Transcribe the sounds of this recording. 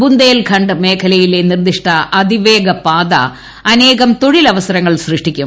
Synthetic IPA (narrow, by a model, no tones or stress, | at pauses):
bund̪eːlkʰɐɳɖɨme̞ːkʰɐlɐjilenird̪iʂʈʰɐɐd̪ʱiʋe̞ːɡɐpaːd̪ɐ̰ | ɐne̞ːɣɐmt̪o̞ɻilɐʋɐsɐɾɐŋːɐɭsrɨʂʈikʲːum